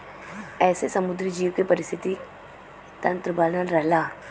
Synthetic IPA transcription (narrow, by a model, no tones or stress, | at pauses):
ɛːsesɐmʊd̪ɾid͡ʒiːʋkepɐɾɪst̪ʰɪt̪i | t̪ɐ̃nt̪ɾəbaːlnəlɾɛɦlaː